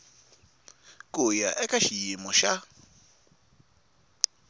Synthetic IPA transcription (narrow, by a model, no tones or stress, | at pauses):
kʼʊja̰ʔɛkʼaʃijimɔʃa